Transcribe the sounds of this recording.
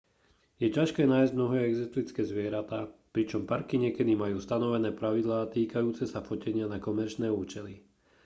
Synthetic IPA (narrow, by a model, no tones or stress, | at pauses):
jɛcaʃkɛːnaːjzɟmnɔɦɛːɛɡzist̪lit͡skɛːzʋɪɛɾat̪aːpɾit͡ʃɔmpaɾkiɲɪɛkɛd̪imajuːst̪anɔʋɛnɛːpɾaʋid̪laːt̪iːkajuːt͡sɛsafɔcɛɲɪanakɔmɛɾt͡ʃnɛːuːt͡ʃɛli